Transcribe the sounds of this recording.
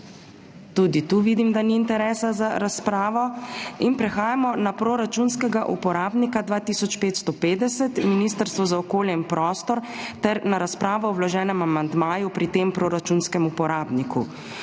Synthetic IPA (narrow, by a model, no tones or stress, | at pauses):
t̪uːd̪it̪uʋiːd̪imd̪aniːnt̪ɛɾɛːsazaɾaspɾaːʋɔinpɾɛxaːjamɔnapɾoɾat͡ʃunskɛɡaʔṵpɔɾaːbnikad̪ʋaːt̪isɔt͡ʃpeːt̪st̪ɔpeːd̪ɛsɛt̪miniːst̪əɾst̪ʋɔzaɔkoːljɛinpɾɔːst̪ɔɾt̪ɛɾnaɾaspɾaːʋɔwwlɔʒɛːnɛmamand̪maːjupɾit̪eːmpɾoːɾat͡ʃuːnskɛmupɔɾaːbnikʰṵ